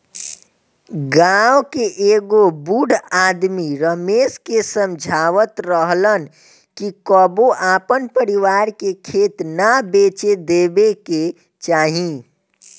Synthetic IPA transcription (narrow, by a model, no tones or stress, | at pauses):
ɡawkeʔeːɡobuɖaːd̪miɾəmeːskesə̃md͡ʒʱaːʋət̪ɾəɦlən | kikəboʔaːpənpəɾiʋaːɾkekʰeːt̪nabeːt͡ʃed̪eːbeke | t͡ʃaːɦĩ